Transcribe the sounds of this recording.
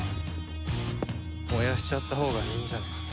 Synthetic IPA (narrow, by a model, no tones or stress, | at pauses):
mojaɕi̥t͡ɕat̪ːaɦo̞ːɡaçĩɲd͡ʑane